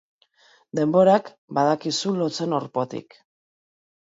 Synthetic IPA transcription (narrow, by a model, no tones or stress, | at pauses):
d̪e̞mbo̞ɾak | bað̞akisulo̞t͡se̞noɾpo̞t̪ḭk